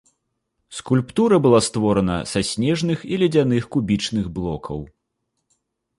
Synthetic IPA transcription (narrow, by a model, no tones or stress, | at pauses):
skulʲpt̪uɾɐbɨlˠast̪vɔɾɐnɐ̰sasʲnʲɛʐnɨxilʲɛd͡zʲan̪ɨxkubʲit͡ʂnɨɣblˠɔkʰɐ̰w